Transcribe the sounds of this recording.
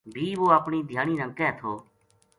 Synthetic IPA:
bʱiːʋoːapɳiːd̪ʱjaːɳ̃iːɾə̃ŋkɛːt̪ʰoː

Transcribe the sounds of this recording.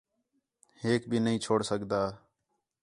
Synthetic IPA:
heːk̚bʱiːnəɦĩːt͡ʃʰoːɽsəkd̪aː

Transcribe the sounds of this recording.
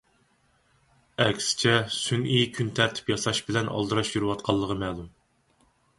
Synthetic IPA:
ɛkʲsɪ̥t͡ʃʰɛsynʔijkʲʰynt̪ʰæɾt̪ʰɪ̥pjɑsɑʃbɪlɛnʔɑ̰lˠd̪ɨɾɑʃjyɾɨwɑt̪̚qʰɑlˠːəʁəmɛːlˠum

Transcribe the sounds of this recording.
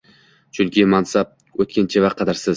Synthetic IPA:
t͡ʃʰʊlkʲʰemɑnsɑp̚ | ɵt̪̚kʲent͡ʃʰevɑqʰːɑd̪aɾsɪz

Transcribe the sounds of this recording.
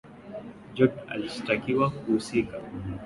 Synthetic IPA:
d͡ʒɔʈa̰listakiwakuhusika

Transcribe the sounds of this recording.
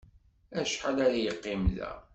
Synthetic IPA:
æʃħalaɾajəqːɪmðæ̰

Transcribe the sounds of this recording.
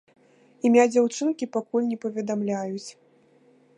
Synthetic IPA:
imʲad͡zʲawt͡ʂɨnkʲipakulʲnʲɛpɐvʲɛd̪amlʲajut͡sʲ

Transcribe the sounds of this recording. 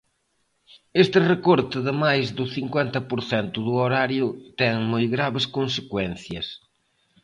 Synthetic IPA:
est̪ɪrekoɾt̪ɪðɪmajzðʊθiŋkwent̪ɐpʊɾθent̪ʊðʊoɾaɾjʊt̪ɛŋmojɣɾaβɪskõnsekwɛ̃nθjɐs

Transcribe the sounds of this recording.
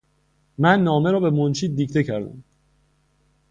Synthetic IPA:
mænːɒːme̞ɾɒːbe̞mont͡ʃʰiːd̪̚d̪iːcʰt̪ʰe̞cʰæɾd̪æ̰m

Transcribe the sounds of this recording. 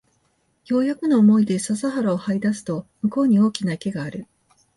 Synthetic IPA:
jo̞ːjakɯ̟no̞ːmo̞id̪e̞sazaɦaɾaohaid̪asɨ̥t̪o̞mɯ̟ko̞ːɲ̟io̞ːkʲinake̞ɡaːɾɯ̟

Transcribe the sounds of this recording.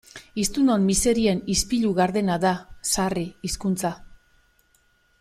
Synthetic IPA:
ist̪uno̞mmːise̞ɾie̞nispiʎuɣaɾðe̞naðasariːskunt͡sa

